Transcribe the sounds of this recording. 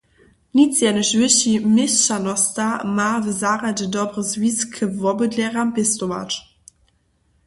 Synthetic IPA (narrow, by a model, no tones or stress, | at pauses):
nit͡sjɛnəɕvɪɕimɪst͡ɕanɔstamaːvəzaʁadədɔbʁəzviskʰəvɔbədlʲɛʁampɪstova̰t